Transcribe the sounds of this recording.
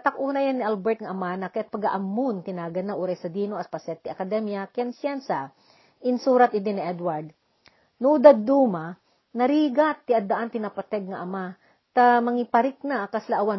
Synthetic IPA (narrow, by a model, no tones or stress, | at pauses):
t̪akʔuːnɐjanːɪʔalbɛɹt̪̚ŋɐʔɐmanakɐjat̪̚pɐɡaʔɐmːʊnt̪ɪnaːɡɐnːaʔuɾɛsɐd̪iːnoʔɐspɐsɛt̪ɪʔɐkɐd̪ɛmjakjɛnsjansa | ʔɪnsuːɾat̪̚ʔɪd̪ɪnɪʔɛd̪waɹd̪̚ | nud̪ad̪̚d̪uːma | nɐɾiːɡat̪ːɪʔɐd̪aʔant̪ɪnapɐt̪ɛɡ̚ŋɐʔɐma | t̪amɐŋɪpɐɾɪk̚nakaslaʔɐwan